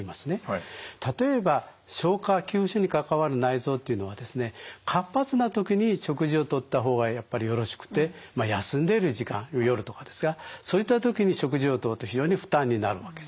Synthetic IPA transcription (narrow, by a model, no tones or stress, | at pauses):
imasɨne̞t̪at̪o̞e̞ba | ɕo̞ːkakʲɨːɕoɲ̟ikakaβaɾɯ̟naizo̞ːt̪ːe̞iɯ̟no̞βad̪e̞sɨne̞kʰapːat͡sɨnat̪o̞kʲiɲ̟iɕo̞kɯ̟ʑio̞t̪o̞t̪ːaɦo̞ːɡajapːaɾʲijo̞ɾo̞ɕi̥kɯ̟̥t̪e̞majasɨ̃nd̪e̞ɾɯ̟ʑikã̰ŋ̃ojo̞ɾɯ̟t̪o̞kad̪e̞sɨɡasoːit̪ːat̪̬o̞kʲiɲ̟iɕo̞k̬ɯ̟ʑio̞t̪o̞ːt̪ːo̞çʲiʑo̞ːɲ̟iɸɯ̟̥t̪ãɲ̟ːinaɾɯ̟βake